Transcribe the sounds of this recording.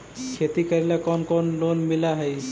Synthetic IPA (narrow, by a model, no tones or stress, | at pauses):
kʰet̪ikəɾilakɔnkɔnlonmilaɦɛj